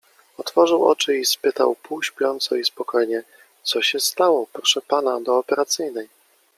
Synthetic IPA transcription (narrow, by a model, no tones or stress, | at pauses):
ɔt̪fɔʐɘwɔ̰t͡ʂɘispɘt̪a̰wpuwɕpʲjɔnt̪sɔispɔkɔjɲɛ | t̪sɔɕɛst̪awɔpɾɔʂɛpanad̪ɔːpɛɾat̪sɘjnɛj